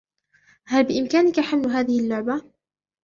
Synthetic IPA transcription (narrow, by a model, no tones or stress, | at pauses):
halbɪʔɪmkaːnɪkaħamlɦaːðɪhɪlːʊʕba